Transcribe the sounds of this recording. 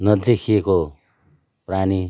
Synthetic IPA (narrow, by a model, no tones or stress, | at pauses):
nʌd̪ekʰijeko | prani